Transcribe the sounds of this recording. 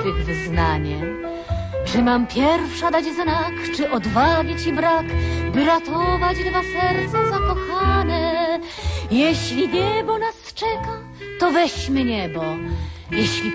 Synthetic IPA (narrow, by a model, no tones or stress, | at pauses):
ɨɣvɘzna̰ɲɛm | t͡ʂɨmampʲjɛɾfʂad̪ad͡ʑznakt͡ʂɘʔɔd̪vavʲjit͡ɕibɾakbɘɾat̪ɔvat͡ɕd̪vasɛɾt̪sɔzakɔxanɛ | jɛɕlʲiɲɛbɔnast͡ʂɛka | t̪ɔvɛɕmɘɲɛbɔjɛɕlʲi